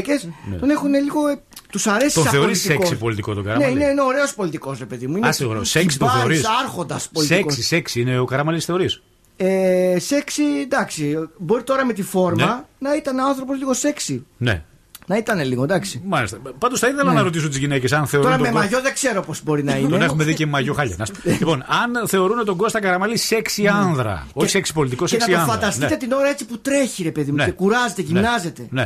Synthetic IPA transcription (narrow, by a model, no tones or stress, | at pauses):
ce̞sto̞ne̞xune̞liɣo̞ | t̪usɐɾe̞sit̪osɐθe̞oɾisiekosipo̞lit̪ikot̪oɡɐɾɐneineineo̞ɾe̞o̞spo̞lit̪iko̞sɾepe̞ðimuinessoɾeoseksi̥t̪ɐθeɾisɐɾxo̞nd̪ɐspolitsiekokssiseksiineokɐɾɐmɐlisθe̞o̞ɾis | ese̞ksind̪ɐksibo̞ɾit̪o̞ɾɐme̞t̪ifo̞ɾmɐnɐit̪ɐneɐnθɾo̞po̞zliɣo̞se̞ksinḛ | nɐit̪ɐneliɣod̪ɐksimɐlist̪ɐpɐnd̪osθɐiθelɐnɐɾo̞t̪is̬unt̪izʝine̞ce̞sɐnθe̞o̞ɾouɾɐmemmɐʝoðeɡze̞ɾo̞po̞zbo̞ɾinɐint̪oenexumeðicemɐʝo̞xɐʎɐ̰nɐslipo̞nɐnθe̞o̞ɾunot̪oɡo̞st̪ɐkɐɾɐmɐlise̞ksiɐnðɾɐ̰oçiseksi̥po̞lit̪ikosenɐsioɐfɐnd̪ɐst̪t̪e̞t̪ino̞ɾɐet͡siput̪ɾe̞çiɾe̞pe̞ðimueekuɾɐzet̪eʝinɐze̞t̪e̞ne